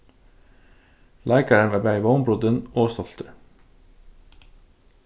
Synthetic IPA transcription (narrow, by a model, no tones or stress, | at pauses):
lʔæɪkɑɾəɳʋeːbæɪʋoʊmbɾʊd̪ənoːst̪ɔlt̪ʰəɹ